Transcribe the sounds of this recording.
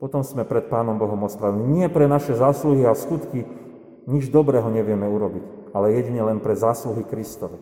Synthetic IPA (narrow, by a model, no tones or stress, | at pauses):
pɔt̪ɔmsmɛpɾɛt̪̚paːnɔmbɔɦɔmɔspɾaʋɛliɲɪɛpɾɛnaʃɛzaːsluɦiaskut̪ki | ɲid͡ʒd̪ɔbɾɛːɦɔɲɛʋɪɛmɛuɾɔbic | alɛjɛɟiɲɛlɛnpɾɛzaːsluɦikɾist̪ɔʋɛ